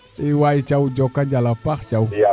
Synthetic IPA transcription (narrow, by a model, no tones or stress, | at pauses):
iwajit͡ʃawd͡ʒɔkand͡ʒalapaxt͡ʃaw